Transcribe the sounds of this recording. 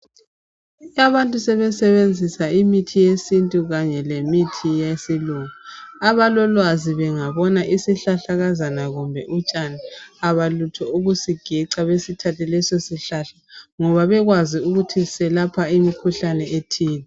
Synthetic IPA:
aβantʼusɛβɛsɛβend͡zʱisaimitʰijesintʼuɣaɲɛlemitʰijesiluŋaaβalɔlwaziβɛŋaβɔnaʔisiɬaɬaɣazanaɣumbʱɛ̰ʔut͡ʃʼaniaβalutʰɔuɣusiɡ̥ʱiǀaβesitʰatʰɛlɛsosiɬaɬaŋɔβaβɛɣwaziuɣutʰisɛlapʰaimikʰuɬanɛetʰiːnɛ

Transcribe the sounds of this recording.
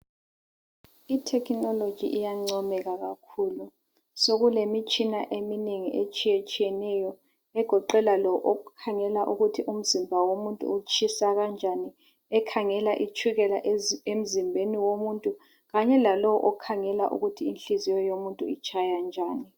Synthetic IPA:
itʰɛkʰnɔlod̥ʒ̥ʱḭʔijaŋ͡ǀɔmɛɣaɣakʰuːlu | soɣulemit͡ʃʰʼinaʔemineŋiʔet͡ʃʰʼijet͡ʃʼʰijɛnɛjɔ | ɛɡ̥ʱɔǃɛlalɔwɔʔɔukʰaŋɛlaʔuɣutʰiʔum̩zimbʱawomuntʼṵːt͡ʃʰisaɣand͡ʒʱani | ɛkʰaŋɛlaʔit͡ʃʰuɣɛlaʔem̩zimbʱeniwomuntʼu | ɣaɲɛlalɔwɔʔɔkʰaŋɛlaʔṵɣutʰiinɬizijɔjomuntʼuit͡ʃʼʰajand͡ʒʱaːni

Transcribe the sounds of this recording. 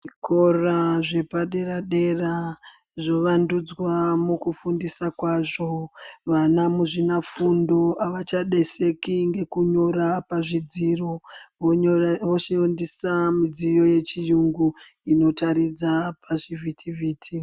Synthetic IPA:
kʰoraʐe̞paɗe̞raɗe̞ra | ʐo̞ʋandud͡zwamukufundisakwaːʐo̞ʋanamuʐinafundo̞aʋat͡ʃaɗe̞se̞kiŋɡe̞kuɲo̞ɾapaʐid͡ziroʋoʋoʃindisamid͡zijo̞je̞t͡ʃijuŋɡuino̞taɾid͡zapʰaʐivʱitʰiviːtʰi

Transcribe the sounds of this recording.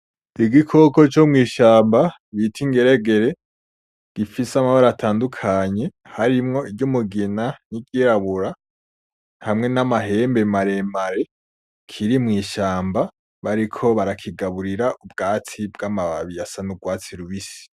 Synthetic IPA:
iɡikʰoko̞t͡ʃomŋiːʃaːmba | βitʰiŋɡe̞ɾeɡe̞ɾe̞ | ɡ̥ifisamaβaɾatʰaːndukʰaɲe̞ | haɾimŋo̞id͡ʒjomuɡinaniɡjiɾaβuɾa | hamŋe̞namaɦe̞ːmbemaɾe̞maɾe̞ | kʰiɾimŋiːʃaːmba | βaɾikʰo̞βaɾakʰiɡaβuɾiɾaʔubɡaːtibɡamaβa̰βijasanuɡwaːt͡siɾuβisi̥

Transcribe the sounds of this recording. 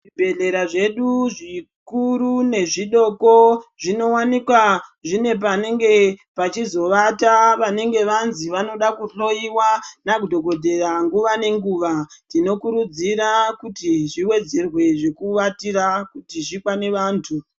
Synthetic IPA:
ibʱe̞ɮe̞ɾaʐe̞ɗuʐi | kuɾune̞ʐiɗo̞ko̞ʐino̞wanikwaʐine̞p̬ane̞ŋɡe̞pat͡ʃizo̞ʋataʋane̞ŋɡe̞ʋanziʋano̞ɗakuɬo̞iwanak̬udʱo̞ɡo̞dʱe̞raŋɡuʋane̞ŋɡuːʋanino̞kuɾud͡ziɾakutiʐiwe̞d͡ze̞rwe̞ʐe̞kuʋatiɾakutiʐikwane̞ʋaːntʰu

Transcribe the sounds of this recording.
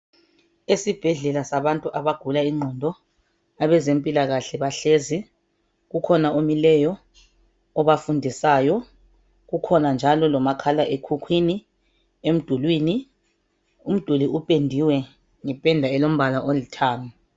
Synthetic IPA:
esib̥ʱɛɮɛlasaβantʼuʔaβaɡ̥ʱulaiŋ͡ǀʱɔndʱɔ | aβɛzempʼilaɣaɬɛβaɬezi | ɣukʰɔnaomilɛjɔː | βafundʱisaːjɔ | ɣukʰɔnand͡ʒʱalɔlɔmakʰalaʔekʰukʰwini | em̩d̥ʱulwiːni | um̩d̥ʱuliupʼendʱiwɛ | ŋɛpʼɛndʱaɛlom̩βalaʔolitʰaːŋa

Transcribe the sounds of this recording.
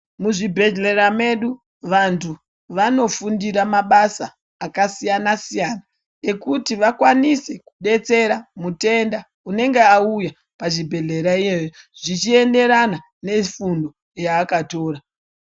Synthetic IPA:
muʐibʱe̞ɮe̞ɾame̞ɗu | ʋantʰu | ʋano̞fundiɾamaɓasaː | kasijanasijana | e̞kutiʋakwanise̞ku̥ɗe̞t͡se̞ɾamute̞nda | une̞ŋɡe̞auja | paʐibʱe̞ɮe̞ɾaijejo | ʐ̥it͡ʃie̞nde̞ɾana | ne̞fundo̞ | jaːkato̞ːɾa

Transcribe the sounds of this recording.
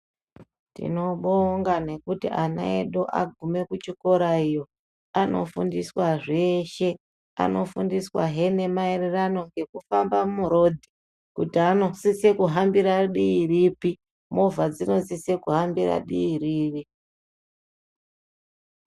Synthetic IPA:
tḭno̞ɓoŋɡane̞kutḭʔana̰eɗoʔa̰ɡʱume̞kut͡ʃiko̞ɾaijo̞ | ano̞fundiswaʐe̞ːʃe̞ | a̰no̞fundiswa̰ɦe̞ne̞maererano̞ŋɡe̞kufambamuɾo̞dʱi | kutiano̞sise̞kuɦambiɾaɗiiripi | movad͡zino̞sise̞kuɦambira̰ɗḭiriːri

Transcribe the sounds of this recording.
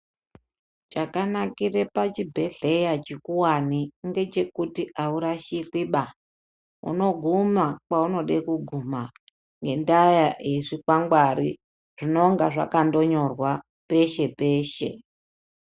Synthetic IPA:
t͡ʃakanakirepat͡ʃibʱe̞ɮe̞jat͡ʃikuwaniŋɡe̞t͡ʃe̞kutiʔauɾaʃikwiɓa | ṵno̞ɡʱumakwauno̞ɗekuɡʱuma | ŋɡe̞ndajaʔeʐikwaŋɡwaɾḭ | ʐ̥ino̞ŋɡaʐa̰kando̞ɲo̞rwa | pe̞ʃe̞pe̞ːʃe̞̰

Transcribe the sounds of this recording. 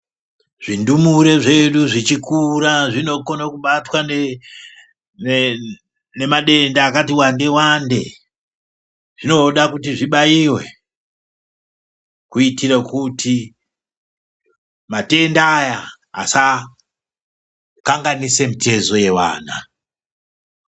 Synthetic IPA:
ʐ̥indumuɾe̞ʐe̞ɗuʐit͡ʃikuɾaʐino̞konakuɓatwane | ne̞maɗe̞ndaːkatiwande̞wande̞̰ | ʐ̥ino̞ɗakutiʐiɓaiwe̞ | kuitirakutʰi | mate̞ndaːja | a̰sa | kaŋɡanise̞mite̞zo̞je̞wa̰ːna̰

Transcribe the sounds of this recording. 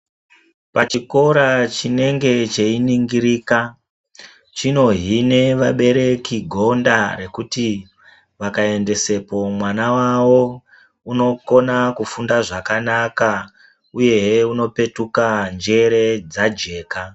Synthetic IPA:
pat͡ʃiko̞ɾat͡ʃine̞ŋɡe̞t͡ʃe̞iniŋɡiɾiːka | t͡ʃino̞ɦine̞ʋaɓe̞ɾe̞kiɡʱo̞ndaɾe̞kuti | ʋakae̞nde̞se̞po̞mwanawawo̞ | uno̞ko̞nakufundaʐakanaka | uje̞ɦuno̞pe̞tukand͡ʒe̞ɾe̞d͡zad͡ʒe̞ːka

